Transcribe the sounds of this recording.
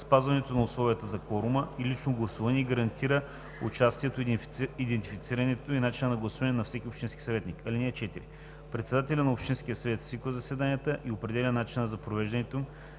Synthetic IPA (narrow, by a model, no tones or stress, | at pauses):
spazvɐnɛt̪onɐʊslˠɔvijət̪əzɐkɔɾʊməilit͡ʃnoɡlˠɐsuvɐnʲɛɛɡəɾɐnt̪ʰiɾə | ʊ̰t͡ʃast̪iɛt̪oid̪ɛnt̪ifit̪siɾɐnɛt̪oinat͡ʃinənɐɡlˠɐsuvɐnɛnɐfsɛkʲiopʃt̪inskʲi̥sɐvɛt̪nikʰɐlʲinɛɛt͡ʃɛt̪iɾi | pɾɛt̪sɛd̪at̪ɛlʲɐnɐopʃt̪insk̟ʲijəsɐvɛt̪svikvəzɐsɛd̪anijət̪əʔiopɾɛd̪ɛlʲənat͡ʃinəzɐpɾovɛʒd̪ɐnɛt̪oim